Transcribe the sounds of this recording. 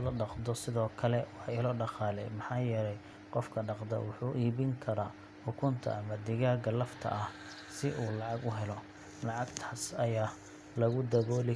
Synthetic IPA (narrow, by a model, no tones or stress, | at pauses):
lɐɖɑqd̪ɔsɪðɔːkʰɐlɛwɑħɑɪlɔːɖɑχɑːlɛ̰jmɑħɑːjɛɾɛj | qɔfkʰɐɖɑqd̪ɐ̰wʊħuːʔiːβɪŋkʰɐɾaː | ħʊkʰʊnt̪ʰɐ̰ɐmɐd̪ɪɣaːɡɐlɐft̪ʰɐ̰ʔɐh | sɪʔuːlɑʕɑɡʊɦɛlɔ | lɑʕɑɡt̪ʰaːsɐjaː | lɐɣʊd̪ɐβɔːlɪ